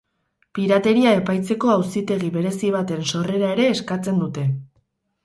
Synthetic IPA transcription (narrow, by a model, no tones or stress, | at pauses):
piɾat̪e̞ɾiae̞pajt͡se̞ko̞awsit̪e̞ɣiβe̞ɾe̞siβ̞at̪e̞nso̞re̞ɾae̞ɾe̞ːskat͡se̞nd̪ut̪e̞